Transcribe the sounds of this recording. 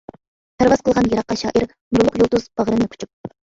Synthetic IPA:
pʰæɾvɑzqʰəlˠʁɑnjɑɾɑqːɑʃɑ̰ːʔiɾ | nuɾlˠʊqjolˠt̪uz̥bəʁɾɨnɪkʲy̥t͡ʃʰyk̚

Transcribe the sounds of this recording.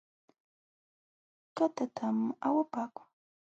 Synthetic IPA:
kat̪at̪ʰama̰wapaːkʊ̥ŋ

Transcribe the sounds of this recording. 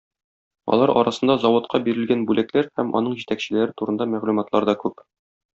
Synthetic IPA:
ɒ̰lˠɑɾɒ̰ɾɑsɤ̆nd̪ɑzɒwŏt̪qʰɑbiɾɘ̆lɡænbʉlæklæɾhæmʔɒ̰nɤɴʑit̪ækɕɘ̆læɾɘt̪uɾɤ̆nd̪ɑmæʁlumɑt̪lˠɑɾd̪ɒkʉp

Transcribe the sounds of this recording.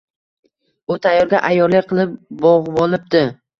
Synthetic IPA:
ʊt̪ʰajːɒɾɡʲaʔajːɒɾlɪk̚ʲqʰɨlˠɪp̚bɒʁbɒlˠɪp̚d̪̥ɪ

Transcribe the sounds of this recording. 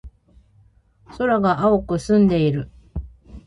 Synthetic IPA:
so̞ɾaɡaʔaokɯ̟sɨ̃nd̪e̞iɾɯ̟

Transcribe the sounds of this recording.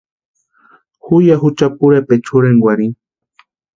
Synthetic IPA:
hujaɦut͡ʃapuɾepet͡ʃʰuɾeŋɡwaɾi

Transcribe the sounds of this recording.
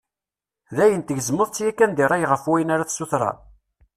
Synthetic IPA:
ðæjənt̪əʝəzməðˤt͡sːjækːænd̪iɾˤɑjʁəfwæjənaɾaθsuθɾˤɑ̰

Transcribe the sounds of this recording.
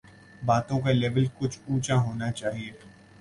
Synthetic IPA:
baːt̪õkaleːʋəlkʊt͡ʃʰuːt͡ʃãɦoːnat͡ʃaːɦieː

